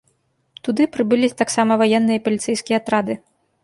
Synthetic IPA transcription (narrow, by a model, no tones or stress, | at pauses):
t̪ud̪ɨpɾɨbɨlʲit̪aksamɐvajɛnːɨjɐipɐlʲit̪sɛjskʲijɛɐat̪ɾad̪ɨ